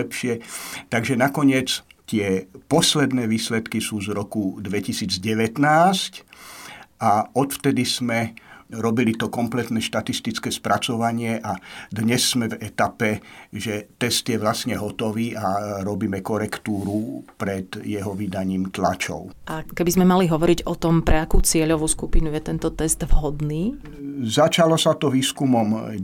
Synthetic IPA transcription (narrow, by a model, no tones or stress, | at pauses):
ɛpʃɪɛt̪aɡʒɛnakɔɲɪɛt͡st̪ɪɛpɔslɛd̪nɛːʋiːslɛt̪kisuːzɾɔkud̪ʋɛcisiːd͡zɟɛʋɛt̪naːsc | ʔaɔt̪ft̪ɛd̪izmɛɾɔbilit̪ɔkɔmplɛt̪nɛːʃt̪at̪ist̪it͡skɛːspɾat͡sɔʋaɲɪɛʔad̪ɲɛsːmɛvɛt̪apɛʒɛt̪ɛst̪jɛʋlasɲɛɦɔt̪ɔʋiːʔaɾɔbiːmɛkɔɾɛkt̪uːɾupɾɛd̪jɛɦɔʋid̪aɲiːmt̪la̰t͡ʃɔ̰ʊʔakɛbizmɛmaliɦɔʋɔɾiɟɔt̪ɔmpɾɛakuːt͡sɪɛʎɔʋuːskupinujɛt̪ɛnt̪ɔt̪ɛsd̪vɦɔd̪niː | zat͡ʃalɔsat̪ɔʋiːskumɔm